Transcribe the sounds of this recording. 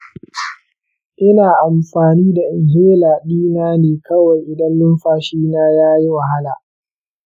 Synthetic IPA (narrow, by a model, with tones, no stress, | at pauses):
ʔɪ˦naː˨ʔa˨mɸaː˨niː˦da˨ʔɪ˨ŋɦeː˦laː˨ɓiː˦naː˦neː˨kʰɐ˦wa˨jʔɪ˨dɐ˦nlʊ˦mɸaː˦ʃiː˦naː˦jaː˦ji˦wa˨ɦa˦laː˨